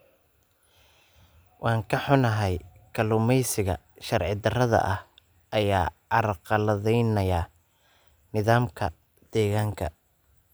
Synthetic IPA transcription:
wʔɑːŋkʰɐħʊnɐɦɛjkʰɐlʊmɛjsɪɣɐ̰ | ʃɐrʕɪd̪ɐrɐðɐ̰ʔɐh | ʔɐjaːʕɑɾqɑlɐðɛjnɐja | nɪðaːmkʰɐ̰ | d̪̥ɛːɣaːŋkʰɐ̰

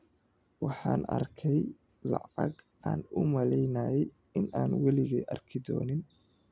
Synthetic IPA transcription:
wɑħɑːnɐ̰rkʰɛj | lɑ̰ʕɑɡ | ʔaːnʊmɐlɛjnɐjɛj | ɪnʔaːnwɑlɪɣɛ̰ʔɐrkʰɪd̪ɔ̰ːnɪn

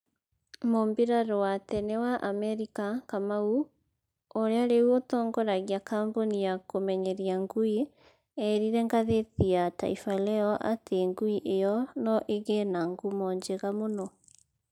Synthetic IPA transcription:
mombeɾaɾowatɛnewaʔamɛɾikakamau | oɾeaɾewotɔːŋɡɔɾaɣiakaːmbonijakomɛɲɛɾiaŋɡui | ɛɾiɾɛŋɡaðetiata̰ifalɛɔʔa̰teŋɡuiʔejɔnɔʔeɣɛnaŋɡumɔːɲd͡ʑeɣamonɔ

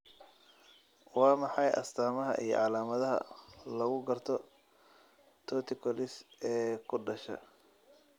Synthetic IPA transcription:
wɑːmɑħɑjʔɐ̰st̪ʰaːmɐɦɐ̰ʔḭjɞ̰ʕɑlaːmɐðɐɦɐ̰lɐɣʊɡɐrt̪ʰɔ | t̪ʰɔːt̪ʰɪkʰɔlɪsɛːkʰʊɖɐʃɐ̰

